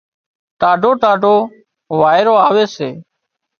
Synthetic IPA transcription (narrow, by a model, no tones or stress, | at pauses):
ʈaːɖʱoːʈaːɖʱoː | ʋaːɪɾoːaːʋeːseː